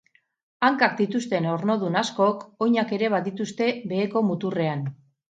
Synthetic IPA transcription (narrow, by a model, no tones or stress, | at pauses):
aŋkakd̪it̪ust̪e̞no̞ɾno̞ð̞unasko̞ko̞jɲake̞ɾe̞β̞aðit̪ust̪e̞βe̞ːko̞mut̪ure̞an